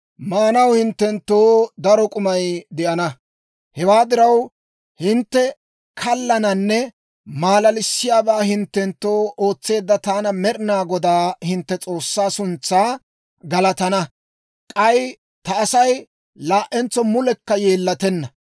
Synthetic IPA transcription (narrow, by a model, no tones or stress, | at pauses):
maːnɐwhɪnt̪ːɛnt̪ːoːd̪ɐɾɔkʼʊmɐjd̪ɛʔɐnɐ | hɛwaːd̪ɪɾɐw | hɪnt̪ːɛ | kʰɐlːɐnɐnːɛ | maːlɐlɪsːɪjaːbaːhɪnt̪ːɛnt̪ːo̞ːoːt͡sːe̞ːd̪ːɐt̪aːnɐmɛɾɪnaːɡɔd̪aːhɪnt̪ːɛt͡sʼo̞ːsːaːsʊnt͡sːaː | ɡɐlɐt̪ɐnɐ | kʼɐj | t̪ɐːsɐj | laːʔɛnt͡sːɔmʊlɛkːɐjeːlːɐt̪ɛnːɐ